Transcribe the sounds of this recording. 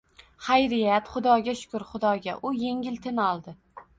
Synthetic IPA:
χajɾɪjat̪χʊd̪ɒɡʲaʃʊ̥kʊɾχʊd̪ɒɡʲaʔʊjeŋʲɪlt̪ʰɪnɒlˠd̪ɪ

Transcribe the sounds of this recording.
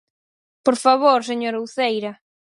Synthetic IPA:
poɾfaβoɾs̬eɲoɾɐuθejɾɐ

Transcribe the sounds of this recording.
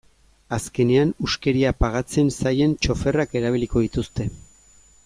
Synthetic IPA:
aske̞ne̞anuske̞ɾiapaɣ̞at͡se̞nsaje̞nt͡ʃo̞fe̞rake̞ɾaβ̞ilikoðit̪ust̪e̞

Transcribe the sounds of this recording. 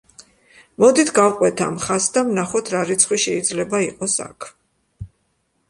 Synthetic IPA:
mɔd̪it̪ʰɡavqʼwɛt̪ʰamχasd̪amnaχɔt̪ʰɾaɾit̪sʰχwiʃɛid̪zlɛbaiqʼɔsa̰kʰ

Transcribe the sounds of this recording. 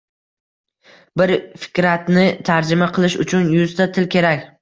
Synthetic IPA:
bɪɾfɪ̥kʲɾat̪nɪt̪ʰaɾd͡ʒɪmaqʰɨlˠɪʃʊ̰t͡ʃʰʊnjʊzt̪at̪ʰɪlkʲʰe̞ɾakʲ

